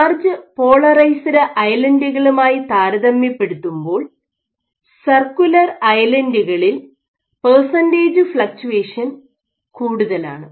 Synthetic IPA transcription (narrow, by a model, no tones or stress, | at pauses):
aːrd͡ʑɨpo̞ːɭɐrɐjsiɾɐʔɐjlɐnduɣɐɭumaːjit̪aːɾɐðɐmjɐpːe̞ɽut̪ːumbo̞ːɭ | sɐrkjulɐrɐjlɐnduɣɐɭil | persɐndeːd͡ʑɨfɭɐk̚t͡ɕuʋeːʂɐn | kuːɽuðɐla̰ːɳɨ